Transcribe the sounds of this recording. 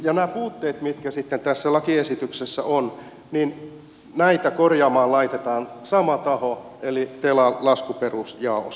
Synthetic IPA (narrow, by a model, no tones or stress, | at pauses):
jɑnæːpuːt̪ːeːt̪mit̪kæsit̪ːent̪æsːælɑkiesit̪yksesːæ̰ʔon | nin | næit̪ækorjɑːmɑːlɑit̪et̪ɑːnsɑmɑt̪ɑhoelit̪elɑlɑskuperusjɑˑos